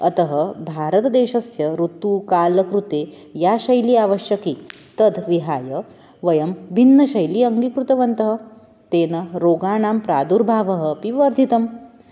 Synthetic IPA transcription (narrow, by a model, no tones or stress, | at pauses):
ɐt̪ɐɦəbʱaːɾət̪d̪eːɕɐsjɐɾut̪uːkaːlɐkɾut̪eː | jaɕɐjliːaʋəɕjɐki | t̪ɐd̪ʋiɦaːjɐ | ʋɐjɐmbʱinːɐɕɐjliːɐŋɡikɾut̪ɐʋɐnt̪ɐɦə | t̪eːnɐɾoːɡaːɳaːmpɾaːd̪uɾbʱaːʋɐɦəpiʋɐɾd̪ʱit̪ɐm